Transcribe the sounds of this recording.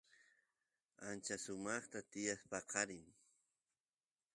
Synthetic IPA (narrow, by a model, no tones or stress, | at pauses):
ant͡ʃasʊmɑχt̪at̪ɪjaspɑqʰɑɾɪŋ